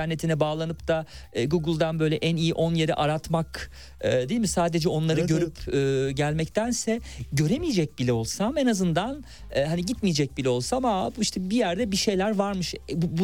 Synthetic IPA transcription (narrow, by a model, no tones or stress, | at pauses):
æɾnːe̞t̪ʰinɛbaːlˠanɯpd̪aːɡuɡɯlˠd̪anbø̞jlʲɛʔænijiʔo̞nje̞ɾɛʔaɾat̪mak | ɯːd̪eilmisaːd̪e̞d͡ʒɛo̞nlˠaɾɯɟø̞ɾypʰɯːɟælʲmɛct̪ʰænsɛɟø̞ɾemijed͡ʒɛc̚bilʲɛo̞lˠsamenazɯnd̪an | ɯːɦaniɟit̪mijed͡ʒɛc̚bilʲɛo̞lˠsamabuiʃt̪ʰɛbijæɾd̪ɛbiʃe̞jlʲæɾvaɾmɯʃbubu